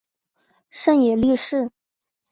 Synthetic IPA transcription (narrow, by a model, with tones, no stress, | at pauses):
ʂə˥˩njɛ˨˩li˥˧ʂɻ̩˥˩